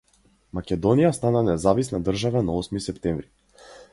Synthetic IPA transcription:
makʲɛd̪ɔnijast̪ananɛzavisnad̪r̩ʒavanaɔsmisɛpt̪ɛmvɾi

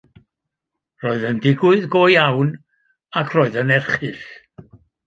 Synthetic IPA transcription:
roɨðəndɪɡʊɨðɡoːjawn | akʰroːɨðənɛrχɨɬ

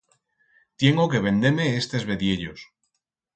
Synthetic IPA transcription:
t̪je̞ŋɡoke̞βe̞nd̪eɾme̞est̪e̞zβe̞ðje̞ʎo̞̰s

